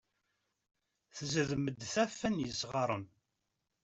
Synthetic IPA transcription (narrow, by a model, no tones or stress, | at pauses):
θzəðməd̪θæfːænjəsʁɑɾˤən